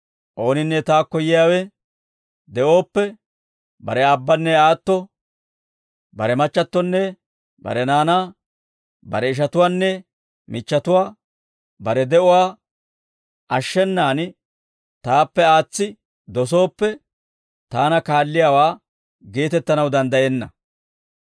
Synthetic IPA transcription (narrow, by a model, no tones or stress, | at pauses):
ʔo̞ːnɪnːɛt̪aːkːɔjɪjaːwɛ | d̪ɛʔo̞ːpːɛ | bɐ̰ɾɛɐbːɐnːɛaːt̪ːɔ | bɐɾɛmɐt͡ʃːɐt̪ːɔnːɛ | bɐ̰ɾɛnaːnaː | bɐ̰ɾɛɪʃ̬ɐt̪ʊwaːnːɛ | mɪt͡ʃːɐt̪ʊwaː | bɐɾɛd̪ɛʔʊwaː | ʔɐʃːɛnːaːn | t̪aːpːɛaːt͡sːɪ | d̪ɔso̞ːpːɛ | t̪aːnɐkaːlːɪjaːwaː | ɡe̞ːt̪ɛt̪ːɐnɐwd̪ɐnd̪ɐjeːnːɐ